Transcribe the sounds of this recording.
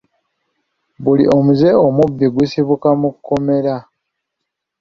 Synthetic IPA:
βulḭʔo̞muze̞omubːiɡusiβukamukukːo̞me̞ɾa

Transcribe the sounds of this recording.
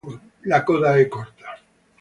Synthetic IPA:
lakoðaekoɾt̪ḁ

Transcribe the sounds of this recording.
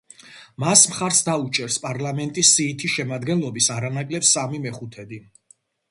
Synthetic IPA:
masmχaɾsd̪aut͡ʃʼɛɾspʼaɾlamɛnt̪ʼisːiːt̪ʰiʃɛmad̪ɡɛnlˠɔbisaɾanakʼlɛpsamimɛχut̪ʰɛd̪i

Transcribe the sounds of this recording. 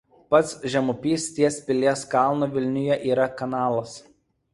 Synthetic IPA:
pɐt̪sʒʲɛmʊpʲiːsʲt̪ʲiɛspʲɪlʲiɛskɑˑlˠnoːʋʲɪlʲnʲʊjɛʔiːɾɐkɐnɑːlˠɐs

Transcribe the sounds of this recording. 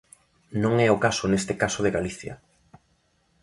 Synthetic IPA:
nõŋɛokasʊnest̪ɪkasʊðɪɣaliθjɐ̰

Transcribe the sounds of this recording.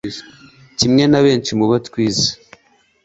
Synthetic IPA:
cimŋe̞naβe̞ːnt͡ʃimuβatkwiːzḁ

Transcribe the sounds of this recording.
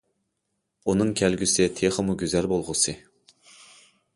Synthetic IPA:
unɨŋkʲʰælɡʲysɪt̪ʰeχəmuɡʲøzælbolˠʁʊsɨ

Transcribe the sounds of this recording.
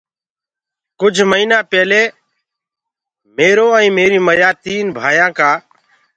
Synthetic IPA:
kʊd͡ʒʱməiːnãːpɛːleː | meːɾoːəĩːmeːɾiːməjaːt̪iːnbʱaːjãːkaː

